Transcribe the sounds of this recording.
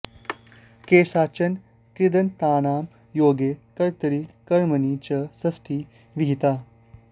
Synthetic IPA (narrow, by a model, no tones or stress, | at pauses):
keːsat͡ɕɐn | kɾid̪ənt̪aːnaːm | joːɡekəɾt̪əɾiːkəɾmənit͡ɕɐsɐsʈʰiː | ʋiɦit̪aː